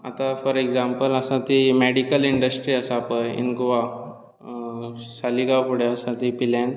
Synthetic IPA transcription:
a̰t̪afɔɾeɡzampələsat̪imeɽikəliɳɖəsʈɾiəsapəjḭnɡoʋa | saliɡapuɽeəsat̪ipilan

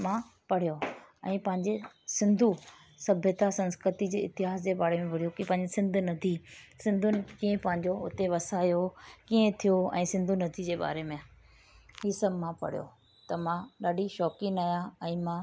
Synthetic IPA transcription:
mã | pɐɽ̤joɛ̰̃ːpɐ̃ɦɪ̃ɲd͡ʑesɪ̃nd̪ʱu | sɐbʱjət̪asɐ̃nskɾɪt̪id͡ʑeːɪt̪ɪɦaːsd͡ʑeːɓaːɾemẽbʱɪɽ̤ijokipɐ̃ɦɪ̃ɲd͡ʑesɪ̃nd̪ʱʊnɐt̪ʰisɪ̃nd̪ʱʊnɪ̆kiːẽpɐ̃ɦɪ̃ɲd͡ʑoʊt̪eʋɐsaːjokiːẽt̪ʰijoɛ̰̃ːsɪ̃nd̪ʱunɐd̪ʰʱid͡ʑeːɓa̰ːɾemẽ | ɦiːsɐbmãpɐ̰ɽ̤ijo̰ | t̪ɐmãɗaːɖiʃɔːkinaːjãɛ̃ːmãː

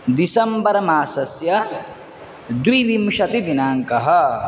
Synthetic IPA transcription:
d̪isɐmbɐɾɐmaːsɐsjɐ | d̪wid̪imʃɐt̪id̪inaːŋkɐɦɐ

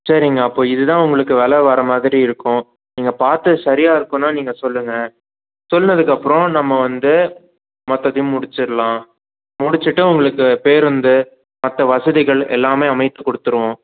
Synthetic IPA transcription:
sɐɾɪŋɡɐːpːoːɪðɯt̪ãːʊŋɡɐɭɯkːɯʋɛlɐʋɐɾɐmaːðɪɾiɪɾɯkːʊ̃ | niːŋɡɐpaːɾt̪ɯsɐɾɪjaːɪɾɯkːʊ̃nːaːniːŋɡɐsɔlːɯŋɡɐ | sɔlːnɐðɯkːɐpːɯɾõnɐmːɐʋɐnd̪ɯ | mɔt̪ːɐðjʊ̃mʊɽɪt͡ʃːɯɾɐlãː | mʊɽɪt͡ʃːɯʈːɯʊŋɡɐɭɯkːɯpeːɾʋɯnd̪ɯ | mɐt̪ːɐʋɐsɐðɪɣɐɭɛ̰lːaːmeːɐmɐɪt̪ːɯkɔɽɯt̪ːɯɾɯʋõː

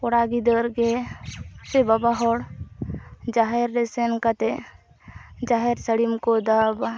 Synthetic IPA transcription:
pɔɽaɡid̪əɾɡe | sebabaɦɔɽ | d͡ʒaɦeɾːesenkat̪e | d͡ʒaɦeɾsəɽimkod̪aba

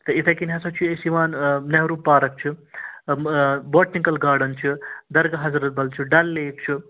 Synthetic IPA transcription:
t̪ɐit̪ʰɐkinɦɐsɐt͡ʃʰiesiʋaːnnɐɦɾuːpːaːɾɐk̚t͡ʃʰi | boːʈnikɐlɡaːɾɖɐnt͡ʃʰid̪ɐɾɡɐɦɐzɾɐt̪̚bɐlt͡ʃʰiɖɐlːeːk̚t͡ʃʰi

